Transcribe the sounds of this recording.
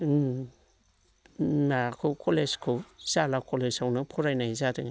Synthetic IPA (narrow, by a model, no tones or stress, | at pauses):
nakʰɯwkʰoleskʰɯwz̥alakʰolezawnɯpʰuɾajnajzadɯŋa